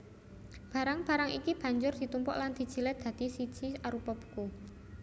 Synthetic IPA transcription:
b̥a̤ɾaŋb̥a̤ɾaŋḭkib̥a̤ɲd͡ʒʊrd̪̥i̤t̪umpɔ̰ʔland̪̥i̤d̥d͡ʒ̥i̤lɛd̪̥a̤d̪̥i̤sit͡ʃiaɾupɔpu̥ku

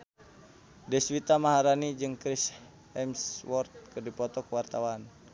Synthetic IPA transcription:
dɛswit̪amaɦaɾanid͡ʒɨŋkɾis | ɛmswɔrt̪̚kɨrdipɔt̪ɔkəwart̪awan

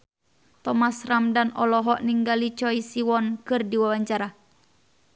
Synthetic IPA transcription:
t̪ɔmasramdanɔlɔɦɔʔniŋɡalit͡ʃɔisiwɔnkɨrdiwawaɲt͡ʃaɾa

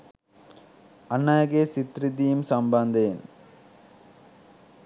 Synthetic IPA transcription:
ɐnːaːɣeːsɪt̪ɾɪt̪̬ijɯmsɐmbɐnd̪eːn

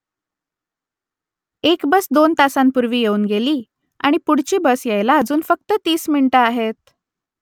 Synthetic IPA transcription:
ekbəsd̪ont̪asanpuɾʋiːjeuːnɡeliː | a̰ɽ̃ipuɽ̤t͡ɕiːbəsjejlaəd͡zuːnfək̚t̪ət̪iːsminiʈəaɦet̪̚

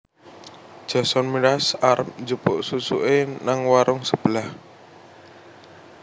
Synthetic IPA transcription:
d̥ʒ̥a̤sɔnmiɾasarmd͡ʒupʊʔsusṵʔenaŋwaɾʊŋsəb̥əlah

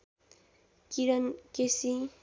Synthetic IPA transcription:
kiɾʌnkesi

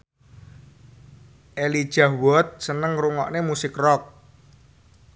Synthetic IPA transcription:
ʔelid̥ʒ̥a̤hwɔt̪̚sənəŋruŋɔ̰ʔnemusɪkrɔk̚

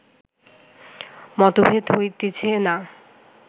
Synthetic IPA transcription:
mɔt̪obʱet̪ɦojt̪it͡ɕʰena

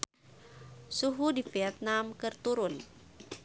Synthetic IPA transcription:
suɦudifiɛt̪̚namkɨrt̪uɾun

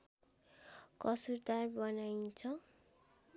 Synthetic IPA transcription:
kʌsurd̪arbʌnajt͡sʰʌ

